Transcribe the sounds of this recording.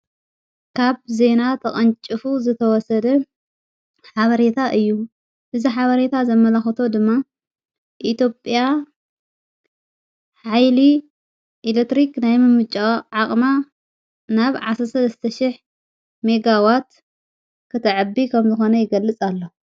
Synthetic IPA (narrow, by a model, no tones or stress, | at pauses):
kʰaβze̞nat̪ʰɐkʼɐnt͡ʃʼɨfuzɨt̪ʰɐwɔsɐd̪ɐ | ħaβɐɾe̞t̪ʰaʔɨjːu | ʔɨziħaβɐɾe̞t̪ʰazɐmːɐlaxɐt̪ʰo̞d̪ɨmːa | ʔit̪ʰjo̞pʼja | ħajli | ʔelekt̪ɾiknajmɨmɨt͡ʃʼːaʕaχʼma | naβʕasɾsɐlɐst̪ʰɐʃɪħ | me̞ɡawat̪ | kʰɨt̪ʰɨʕɨbikʰɐmzɨxo̞nɐjɪɡɐlːɨt͡sʼalːo